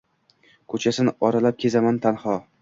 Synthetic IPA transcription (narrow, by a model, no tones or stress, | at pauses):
kʰɵt͡ʃʰasɪnɒɾalap̚kʲʰe̞zamant̪ʰanhɒ